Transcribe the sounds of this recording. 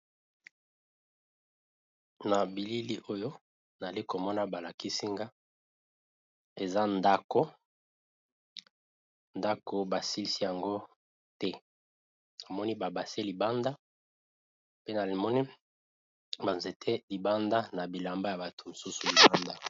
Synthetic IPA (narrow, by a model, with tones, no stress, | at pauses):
na˨bi˨li˦li˦ʔo˦jo˦ | n˨a˨li˦ko˨mɔ˦na˦ba˨la˨ki˦si˦ŋɡa˦ | e˨za˦nda˦ko˦ | nda˦ko˨ba˨si˦li˦si˦ja˨ŋɡo˦ | tɛ˦ | na˨mɔ˦ni˦ba˨ba˨se˦li˨ba˦nda˦ | pe˦na˨li˨mɔ˦ni˦ | ba˨nze˨tʰe˦li˨ba˦nda˦na˨bi˨la˨mba˦ja˨ba˨tʰo̥˨mo˨su˦su˨li˨ba˦nda˦